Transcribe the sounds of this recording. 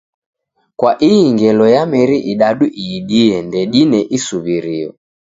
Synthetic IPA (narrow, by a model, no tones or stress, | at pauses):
kwaʔiŋɡɛlɔjamɛɾiʔiɗaɗuʔiɗiɛndɛɗinɛʔisuβiɾiɔ̰